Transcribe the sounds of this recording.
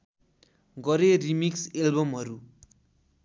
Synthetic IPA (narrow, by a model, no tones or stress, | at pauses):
ɡʌɾerimikselbʌmɦʌɾu